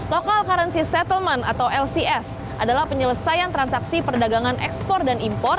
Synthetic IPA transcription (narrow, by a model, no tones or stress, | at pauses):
lokalkaɾənsisɛt̪əlmanat̪awɛlsiɛs | ʔadalahpəɲələsajant̪ɾansaksipərdaɡaŋanʔɛ̰kspɔrdanimpɔr